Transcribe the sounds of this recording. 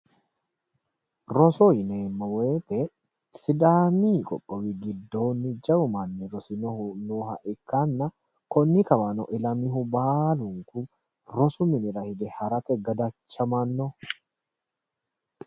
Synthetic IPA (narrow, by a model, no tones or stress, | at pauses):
ɾɔsoɪneːmːɐweːt̪ɛ | sɪd̪aːmiːkʼɔ̰pʼːɔwiɡɪd̪ːo̞ːnːɪd͡ʒɐʊmɐnːɛɾɔsɪnɔhʊnoːhɐ̰ʔɪkːanːɐ | kɔnːɪkɐwɐnɔ̰ʔɪlɐmɪɦʊbaːlʊŋkʊ | ɾɔsʊmɪnɪɾɐhɪd̪ɛhɐɾɐt̪ɛɡɐd̪ɐt͡ʃːɐmɐnːɔ